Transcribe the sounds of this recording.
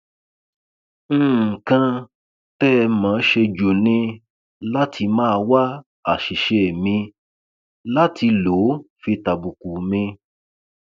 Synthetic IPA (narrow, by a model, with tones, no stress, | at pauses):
n̩˦˨kã˧ | tɛ˦˧mã˨˦ʃe˧d͡ʒo˨nĩ˧ | la˦tʰi˧mãː˦˧wa˦ | a˦˨ʃi˨ʃe˨mĩ˧ | la˦tʰi˧lo˨˦fi˧ta˨bu˨ku˨mĩ˧